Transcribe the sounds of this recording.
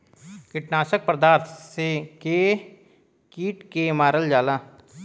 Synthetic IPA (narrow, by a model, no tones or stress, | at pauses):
kɪʈnaːʃək̚pɾəd̪aːɾt̪ʰseke | kiːʈkemaːɾəld͡ʒaːlaː